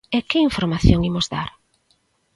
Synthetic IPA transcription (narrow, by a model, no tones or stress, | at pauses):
ekɪiɱfoɾmaθjoŋimʊzðaɾ